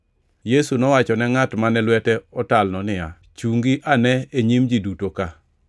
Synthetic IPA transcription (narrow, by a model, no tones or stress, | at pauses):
jesunɔwat͡ʃɔnɛŋatmanɛlwɛtɛɔtalnɔnɪja̰ | t͡ʃuŋɡiʔanɛeɲimd͡ʒidutoka